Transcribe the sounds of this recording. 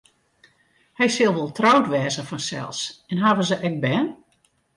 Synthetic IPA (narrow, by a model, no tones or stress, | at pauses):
hɛjsɪlˠʋolˠtrɔwtʋɛːzəfɔnsɛ̰lˠsɛnɦaːvəzəʔɛk̚bɛːn